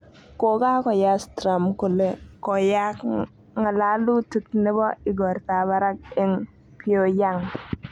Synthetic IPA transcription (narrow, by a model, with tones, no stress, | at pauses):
ko˨ka˦kɔ˨ja˦stɾa˨mko˨le˦kɔ˨ja˦k | ŋa˨la˦lu˦ti˦kne˦bɔ˦ɪ˨ɡɔ˨ɾta˨ba˦ɾa˦k̚e˦ŋ | pʰio˦ja˦˨ŋ